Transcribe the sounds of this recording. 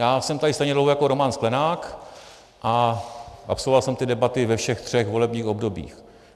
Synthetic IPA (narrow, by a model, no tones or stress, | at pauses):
jaːsɛmt̪adɪst̪ɛjɲɛdlowhɦojako̞ɾomansklɛnaːk | ʔa | ʔa̰psolvovalsɛmt̪ɪdɛbat̪ɪvɛfʃɛxt̪r̝̥ɛxvo̞lɛbɲiːxo̞bdo̞bḭːx